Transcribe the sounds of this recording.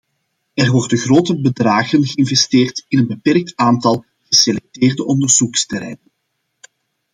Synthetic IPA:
ɛrʋɔrdənɣroːtəbədraːɣənɣəɪnvɛsteːrtɪnənbəpɛrk̚taːntɑlˠ | ɣ̥əselɛk̚teːrdəʔɔndərz̥ukstɛɾɛ̰jnən

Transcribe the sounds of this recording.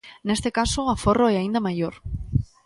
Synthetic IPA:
nest̪ekasoaforoɛaĩnd̪amajoɾ

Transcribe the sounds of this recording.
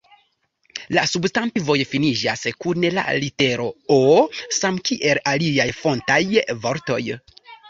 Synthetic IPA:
lasubstantivo̞jfinid͡ʒaskunela̰lite̞ɾo̞osamkiʔe̞laliajfo̞ntajvo̞ɾto̞̰j

